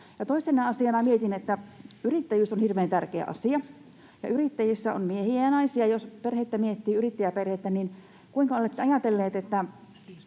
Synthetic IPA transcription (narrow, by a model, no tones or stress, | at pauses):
jɑt̪oisenɑɑsiɑnɑmiet̪inet̪ːæyrit̪ːæjyːsonhirʋeːnt̪ærkeæ̰ʔɑ̰siɑ | jɑ̰yrit̪ːæjisːæo̰nmiehiæjɑnɑisiɑjosperhet̪ːæmiet̪ːiːyrit̪ːæjæperhet̪ːænin | kuiŋkɑolet̪ːeɑjɑt̪elːeːt̪et̪ːæ